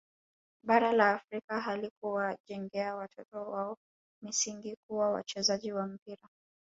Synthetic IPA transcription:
ɓaɾalaːfɾikaɦalikuwaʄɛŋɡɛawatʰɔtɔwaɔ | misiŋɡikuwawa̰t͡ʃɛzaʄiwam̩piɾa

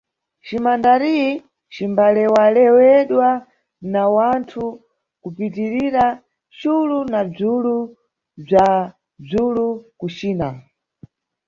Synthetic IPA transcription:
t͡ʃimandaɾi | t͡ʃimbalɛwalɛwɛɗwa | nawantʰu | kupitiɾiɾa | t͡ʃulunab͡ʐulu | b͡ʐa | b͡ʐulukut͡ʃiːna

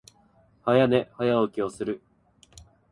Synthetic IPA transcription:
hajane̞hajaokʲio̞sɨɾɯ̟

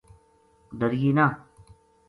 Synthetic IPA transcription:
d̪əɾjiːnaː

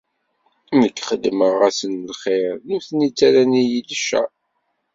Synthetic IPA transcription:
nəkːχəd̪məʁæsənlχeɾnuθnit͡sːæɾænijiləʃæ̰

